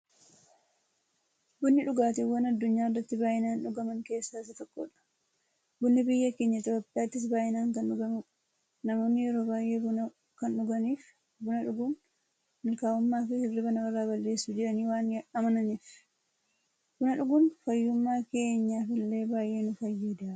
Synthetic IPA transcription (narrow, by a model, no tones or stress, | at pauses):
bʊnːɪᶑʊɡaːt̪ɪwɐnɐd̪ːʊɲːaːrːɐt̪ːɪbaːʔɪnaːnᶑʊɡɐmɐŋke̞ːsːaːɪsɐt̪ɔkːo̞̰ːᶑɐ̥ | bʊnːɪbɪjːɐke̞ːɲːɐɪt̪̬joːpʼːɪjaːt̪ːɪs̬baːʔɪnaːŋkɐnᶑʊɡɐmʊɐ̥ | nɐmo̞ːnːɪjɛɾo̞ːbaːjʔeːbʊnɐ | kɐnᶑʊɡɐniːf | bʊnɐᶑʊɡʊn | mɪlkaːʊmːaːfɪhɪrːɪbɐnɐwɐrːaːbɐlːe̞ːsːʊd͡ʒɪɾɐniːwaːnɐmɐnɐniːf | bʊnɐᶑʊɡʊnfɐjːʊmːaːke̞ːɲːaːfɪlːe̞ːbaːjʔe̞ːnʊfɐjːiːd̪aː